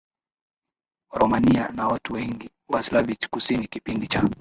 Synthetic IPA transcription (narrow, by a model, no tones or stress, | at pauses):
ɾɔmanianawatuwɛŋɡi | waslavit͡ʃkusinikipindit͡ʃa